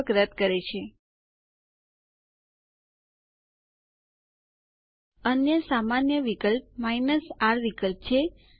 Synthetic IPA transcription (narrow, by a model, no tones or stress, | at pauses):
kɾəd̪̚kəɾet͡ʃʰe | ənjəsamanjəʋikəlp̚mainəsaɾʋikəlp̚t͡ʃʰe